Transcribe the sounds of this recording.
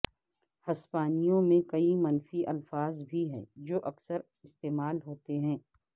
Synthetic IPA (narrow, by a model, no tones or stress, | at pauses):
hɐspaːnijõmẽkɐimɐnfiʔɐlfaːzbʱiɦɛ̰̃ːd͡ʒoːʔɐksəɾ | ɪst̪eːmaːlɦoːt̪eɦɛ̃ː